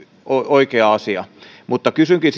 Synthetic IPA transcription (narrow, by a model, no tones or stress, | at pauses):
ooikeɑɑsiɑ̰ | mut̪ːɑkysyŋkis